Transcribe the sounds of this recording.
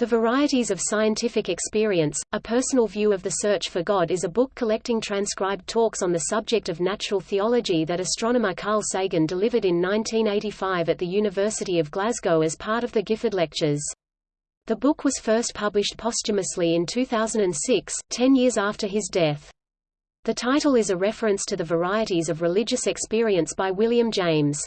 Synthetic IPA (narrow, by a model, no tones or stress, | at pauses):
ðɨvə˞aɪɨɾizʌv̥saɪɨ̃ntʰɪfɨkɨkspɪɹiɨ̃nsəpʰɜ˞sn̩l̩ˠvjʉʌvðɨsɜ˞t͡ʃfə˞ɡɑɾɨzɨbʊkʰːəlɛk̚tɪ̃ŋtʰɹ̥æ̃nskɹaɪb̚tʰɔksn̩ðɨsʌb̚d͡ʒɨk̚tʌvnæt͡ʃɹl̩ˠθiɑlˠɨd͡ʒiðɨɾɨstɹ̥ɑñəməkʰɑɹlˠseɪɡɨ̃ndəlɪvə˞ɾɨ̃nːãɪ̃ntʰĩneɪɾifaɪvɨt̪̚ðɨjʉnɨvɜ˞sɨɾiʌvɡlæzɡoʊɨz̥pʰɑɹɾʌvðɨɡɪfədˡlɛk̚t͡ʃə˞z̥ | ðɨbʊkʰwʌz̥fɜ˞spʰʌblɨʃtpʰɑst͡ʃɨmɨsliɨ̃ntʰʉθaʊz̃n̩dɨ̃nsɪkstʰɛ̃njɪɹzæftə˞ɪzdɛθ | ðɨtʰaɪɾl̩ˠɨzɨɹɛfɹɨ̃nstʰɨðɨvə˞aɪɨɾizʌvɹɨlɪd͡ʒɨsɨkspɪɹiɨ̃nsb̥aɪwɪlˠjɨ̃md͡ʒẽɪ̃mz̥